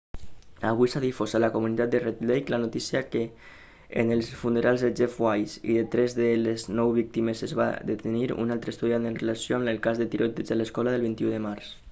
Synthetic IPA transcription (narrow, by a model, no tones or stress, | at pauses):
aβ̞ujsaðifosalakumunit̪at̪d̪əret̪lejklanut̪isiakḛː | nəlˠsfunəɾʔalˠzðed͡ʒefwajsḭðet̪ɾɛzðəleznɔwβik̚t̪imezəzβa̰d̪et̪əniɾṵnalˠt̪ɾəst̪uðiant̪ənrəlasjoamləlˠkazðət̪iɾʔot̪ezələskɔlaðəlˠβint̪iuðəmaɾs